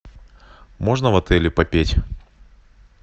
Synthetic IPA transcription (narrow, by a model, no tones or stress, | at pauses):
mo̞ʐnəvɐt̪ɛlʲɪpɐpʲetʲ